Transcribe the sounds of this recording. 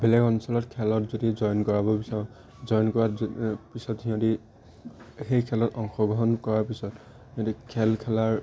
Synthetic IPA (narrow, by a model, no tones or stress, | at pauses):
bɛlɛkɔnsɔlɔtkʰɛlɔtzodizɔjɔnkɔɹaβɔbisaɹɔ̃ | zɔjɔnkɔɹapisɔtɦiɔ̃ti | xejkʰɛlɔtɔŋxɔɡɹɔɦɔnkɔɹaɹpisɔt | hiɔ̃tikʰɛlkʰɛlaɹ